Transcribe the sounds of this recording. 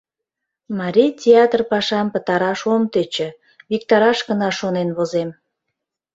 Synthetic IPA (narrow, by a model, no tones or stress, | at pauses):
mɑɾʲijtʲeɑt̪rpɑʃɑmpət̪ɑɾɑʃomt̪et͡ɕə̆ | βik̚t̪ɑɾɑʃɡənɑʃonenβozem